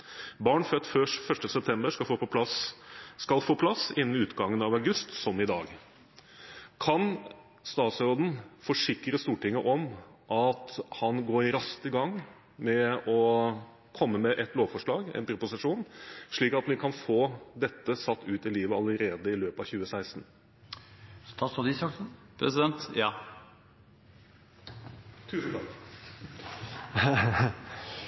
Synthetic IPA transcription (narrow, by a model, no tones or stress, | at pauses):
bɑːɳfœt̪ːfœʂfœʂʈəsɛp̚t̪ʰɛmbəʂkɑfoːpɔpʰlɑs | kɑlfoːpʰlɑsɪnənʉːt̪ɡɑŋːənɑʋæʉɡʉst̪sɔmɪd̪ɑːɡ | kʰɑn | st̪ɑːt̪sɔd̪n̩fɔʂɪkɾəst̪uːʈɪŋːəʔɔmʔɑt̪hɑnɡoːɾɪɾɑst̪əɡɑŋː | mɛɔ | kʰɔmːəmɛʔɛt̪loːʋfɔʂɭɑːɡɛ̰npʰɾʊpʊsɪʂuːnʂɭiːkɑt̪ʋɪkʰɑnfoːd̪ɛt̪ːəsɑt̪ːʉːt̪ɪliːʋəɑləɾeːd̪əɪløːpɑʋçʉːəsæɪst̪n̩ | st̪ɑst̪ɔd̪isɑk̪ | pʰɾɛsɪd̪ɛnt̪jɑː | t̪ʰʉːsn̩t̪ʰɑk